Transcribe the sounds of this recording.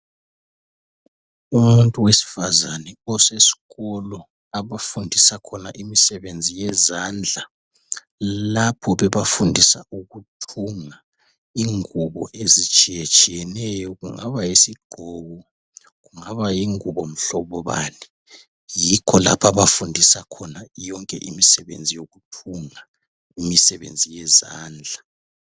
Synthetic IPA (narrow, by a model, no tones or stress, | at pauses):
umuntʼuwesi̥fazanɛɔsesi̥ɣɔlɔ | aβafundʱisakʰɔna̰ʔimisɛβend͡zʱijɛzand͡ɮʱa | lapʰɔβɛβafundʱisaʔuɣutʰuŋa | iŋuβɔ̰ʔezit͡ʃʼijɛt͡ʃʼijɛnɛjɔɣuŋaβajesiɡ͡ǃ̥ʱɔɣɔ | ɣuŋaβajiŋuβɔm̩ɬɔβɔβa̰nɛ | jikʰɔla̰pʰaβafundʱisakʰɔnajɔŋkʼɛ̰ʔimisɛβḛnd͡zʱijoɣutʰuŋa | imisɛβḛnd͡zʱijɛza̰ːnd͡ɮʱa